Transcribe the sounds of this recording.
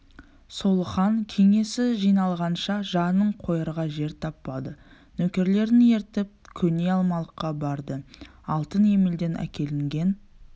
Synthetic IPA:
so̞lˠəχɑŋkʲʰe̞ŋe̞sɪʒijnɑlˠʁɑnʃɑʒɑnəɴqʰo̞jəɾʁɑʒe̞ɾt̪ʰɑpːɑd̪ə | nɵkʲe̞ɾle̞ɾd̪ɪŋe̞ɾt̪ɪp̚kʲʰɵne̞ɑlˠmɑlˠəqːɑbɑɾd̪əɑlˠt̪əne̞me̞ld̪e̞nʔæ̰kʲe̞lɪŋɡʲe̞n

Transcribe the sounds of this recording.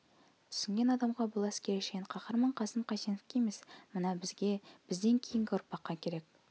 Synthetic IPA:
t̪ʰʏ̥sɘ̆ŋɡʲenɑd̪ɑmʁɑbolˠɑskʲeɾæʃeɴqʰɑχəɾmɤɴqɑsəmqɑsenofkʲejmesmənɑbɪ̆zɡʲeb̥ɪ̆zd̪eŋkʲʰijɪŋɡʲɪoɾ̚pɑqːɑkʲeɾek̚

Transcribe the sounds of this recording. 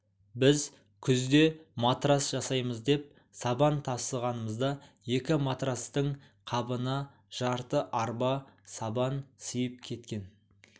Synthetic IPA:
bɪz | kʲʰʏzd̪e̞mat̪rasʒ̥ɑsɑjməzd̪e̞p̚ | sɑbɑnt̪ʰɑsəʁɑnəməzd̪ɑje̞kʲɪmat̪rast̪əɴ | qʰɑbənɑ | ʒ̥ɑɾt̪əʔɑɾbɑsɑbɑnsijəp̚kʲʰe̞t̪kʲe̞n

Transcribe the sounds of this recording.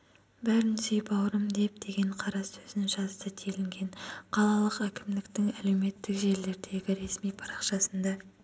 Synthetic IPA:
bæɾɪnsʏjpɑwɾəmd̪e̞p̚d̪e̞ɡʲe̞ɴqʰɑɾɑɵzɪnɪŋʒɑzt̪ət̪ʰelɪŋɡʲe̞ɴqʰɑlˠɑlˠəqækʲɪmd̪ɪkt̪ɪŋæle̞wme̞t̪ːɪkʒe̞ɾle̞ɾd̪e̞ɡʲɪɾe̞smijpʰɑɾɑqʃɑsənd̪ɑ

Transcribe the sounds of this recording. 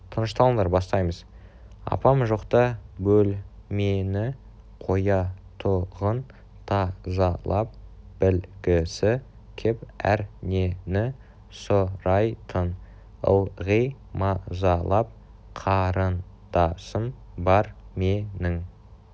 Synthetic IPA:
t̪ʰənəʃt̪ɑlˠəɴd̪ɑɾbɑst̪ɑjməz | ɑ̰pɑmʒoqt̪ɑbɵlme̞nɪ | qʰo̞jɑt̪ʰʊʁən | t̪ʰɑzɑlˠɑp̚b̥ɪlɡʲɪsɪ | kʲʰɪpæ̰ɾne̞nɪ | soɾɑjt̪ʰən | ə̰lˠʁijmɑzɑlˠɑp̚ | qʰɑɾən | d̪ɑsənbɑɾme̞nɪŋ

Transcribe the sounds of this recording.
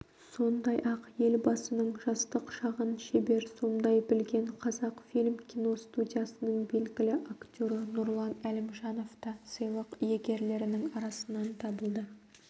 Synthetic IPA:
so̞nd̪ɑjʔɑqje̞lbɑsənəɴʒɑst̪əqʃɑʁənʃebe̞ɾso̞md̪ɑjbɪlɡʲe̞ɴqʰɑzɑqfilʲmkʲʰijno̞st̪ud̪ʲijɑsənəɴbe̞lɡʲɪlɪʔakt̪ʲo̞ɾənʊɾlˠɑnælɪmʒɑno̞ft̪ɑsijlˠəqjeɡʲe̞ɾle̞ɾɪnɪŋɑɾɑsənɑnt̪ʰɑbəlˠd̪ə

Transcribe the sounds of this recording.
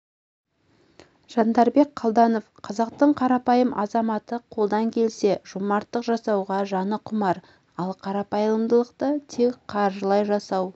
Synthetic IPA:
ʒ̥ɑnd̪ɑɾbe̞k̚qʰɑlˠd̪ɑno̞fqʰɑzɑq̚t̪əɴqʰɑɾɑpɑjəmʔɑ̰zɑmɑt̪əqʰo̞lˠd̪ɑŋkʲʰe̞lse̞ʒ̥umɑɾt̪ːəqʒɑsɑwʁɑʒɑnəqʰʊmɑɾ | ɑlˠqʰɑɾɑpɑjəəmd̪əlˠəqt̪ət̪ʰe̞kqʰɑɾʒəlˠɑjʒɑsɑw

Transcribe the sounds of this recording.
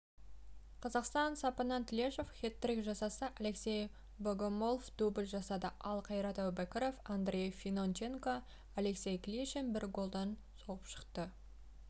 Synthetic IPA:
qʰɑzɑqst̪ɑnsɑpɑnɑnt̪lʲeʃofχʲet̪ːɾɪkʒɑsɑsəʔale̞ksʲe̞j | boɡomo̞lˠfd̪̥ubɪlʲʒɑsɑd̪əʔɑlˠqʰɑjɾɑt̪ɑwbakʲɪɾofand̪rʲejfinont͡ʃeŋko | ale̞ksʲe̞jklʲiʃenbɪɾɡo̞lˠd̪ɑn | so̞ʁəpʃə̥qt̪ə

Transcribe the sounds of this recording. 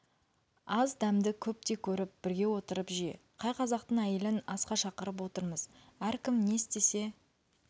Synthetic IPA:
ɑzd̪æmd̪ɪkʲʰɵp̚t̪e̞kʲʰɵɾɪp̚b̥ɪɾɡʲe̞wo̞t̪əɾəpʒije̞̰qʰɑjqʰɑzɑqt̪əɴæje̞lɪnɑsqɑʃɑqəɾəp̬wo̞t̪əɾməz | æɾkʲɪmne̞st̪e̞se̞

